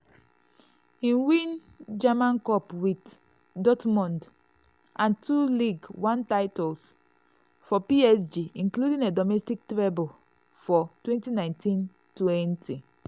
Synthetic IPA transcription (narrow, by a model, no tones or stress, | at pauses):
ĩwĩn | d͡ʒamãnkɔpwit | dɔtmɔ̃nd | ʔãntʰuliɡwãntaɪtɔls | fɔpiɛsd͡ʒiĩnkludĩŋɛdɔmɛstik̚tɹebul | fɔtwɛ̃ntinãɪ̃ntĩn | twɛ̃ntʰi